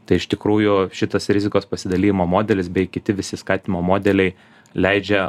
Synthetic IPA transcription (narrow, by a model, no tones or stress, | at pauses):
t̪ɐɪɪʃt̪ʲɪkɾuːjʊʃʲɪt̪ɐsɾʲɪzʲɪkoːspɐsʲɪd̪ɐlʲiːjɪmoːmoːd̪ʲɛlʲɪsbʲɛɪkʲɪt̪ʲɪʋʲɪsʲɪskɑːt̪ʲɪnʲɪmoːmoːd̪ʲɛlʲɛɪ | lʲɛɪd͡ʒʲɛ